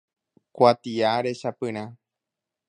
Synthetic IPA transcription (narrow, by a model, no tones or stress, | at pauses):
kʷat̪iaɾe̞ʃapɨ̃ɾ̃ã